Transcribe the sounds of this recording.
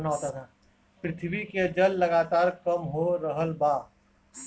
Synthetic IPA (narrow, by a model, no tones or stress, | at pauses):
nɔːt̪at̪ʰa | pɾɪt̪ʰbiked͡ʒəlːəɡaːt̪aːɾkəmɦoɾəɦəlbaː